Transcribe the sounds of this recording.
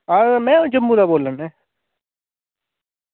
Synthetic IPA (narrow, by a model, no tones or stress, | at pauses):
aɾmɛ̃ːd͡ʒəmːũd̪aboːlənɛ̃ː